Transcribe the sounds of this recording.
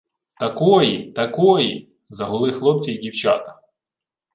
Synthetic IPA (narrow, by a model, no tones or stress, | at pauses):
t̪ɐkɔjit̪ɐkɔji | zɐɦʊlˠɪxlˠɔp̚t͡sʲijidʲiwt͡ʃɑt̪ɐ̥